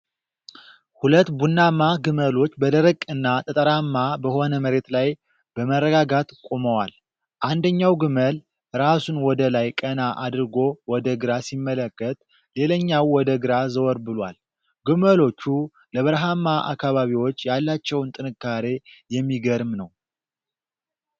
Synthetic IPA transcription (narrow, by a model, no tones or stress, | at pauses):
hulət̪ːbunːamaɡɨməlo̞t͡ʃːbəd̪əɾəkʼːɨnːat̪ʼət̪ʼəɾamːabəho̞nəməɾe̞t̪laj | b̥əmərːəɡaɡat̪kʼoməwal | ʔand̪əɲːawɡɨməl | ɾasunwɔd̪əlajkʼənaʔad̪ɾɨɡo̞wɔd̪əɡɨɾasimːələkːət̪ | le̞ləɲːawːɔd̪əɡɨɾazəwɔɾbɨlwa̰l | ɡɨməlo̞t͡ʃːu | ləβɨɾɦamːaʔa̰kːaβaβiwo̞t͡ʃːjalːat͡ʃːɛwnt̪ʼɨnɨkːaɾe̞jɛmːiɡəɾmnəw